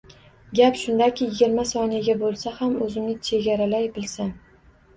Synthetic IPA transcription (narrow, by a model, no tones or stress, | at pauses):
ɡʲapʃʊnd̪akʲʰɪjɪɡʲɪɾmasɒnɪɡʲabolˠsahamɵzɪmnɪt͡ʃʰe̞ɡʲaɾalajbɪlsa